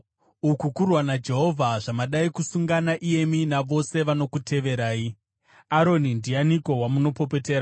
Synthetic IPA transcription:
ukukurwanad͡ʒe̞ɦo̞vʱaʐamaɗaikusuŋɡanaʔije̞minaʋo̞se̞ʋano̞kutʰe̞ʋe̞ɾaːi | aɾo̞nindijaniko̞wamuno̞po̞p̬e̞te̞ːɾa

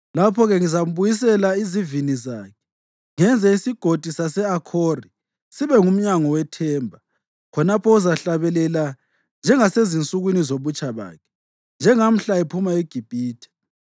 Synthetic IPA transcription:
lapʰɔɣɛŋizam̩βujis̬ɛlaizivinizaːkʰɛ̥ | ŋɛnd͡zʱɛisiɡ̥ʱod̥ʱisasɛakʰori | siβɛŋum̩ɲaŋɔwɛtʰɛːmbʱa | kʰɔnapʰɔuzaɬaβɛlɛla | nd͡ʒʱɛŋasezint͡sʼuɣwinizoβut͡ʃʼaβa̰ːkʰɛ̥ | nd͡ʒʱɛŋam̩ɬaɛpʰumaeɡ̥ʱib̥ʱiːtʰɛ̥

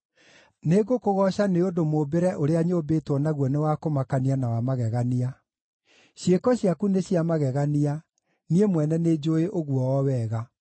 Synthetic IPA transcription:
neɡokoɣɔɕaneodomobeɾɛʔoɾeaɲobeːtwɔnaɣwɔnewakomakanianawamaɣɛɣania | ɕjekɔɕjakuneɕiamaɣɛɣania | niemwɛnɛned͡ʑoeʔoɣwɔɔwɛːɣa

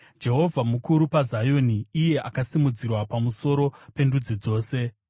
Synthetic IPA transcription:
d͡ʒe̞ɦo̞vʱamukuɾupazajo̞niːje̞ʔakasimud͡zirwapamuso̞ɾo̞pe̞ndud͡zid͡zo̞ːse̞

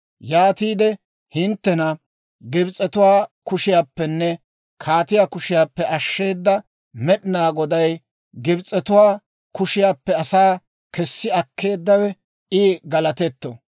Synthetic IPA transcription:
jaːt̪iːd̪ɛ | hɪnt̪ːɛnɐ | ɡɪbt͡sʼɛt̪ʊwaːkʊʃɪjaːpːɛnːɛ | kʰaːt̪ɪjaːkʊʃɪjaːpːɛʔɐʃːe̞ːd̪ːɐ | mɛɗɪnaːɡɔd̪ɐj | ɡɪbt͡sʼːɛt̪ʊwaː | kʊʃɪjaːpːɛɐsaː | kɛsːɪɐkːe̞ːd̪ːɐwɛ | ʔɪɡɐlɐt̪ɛt̪ːɔ

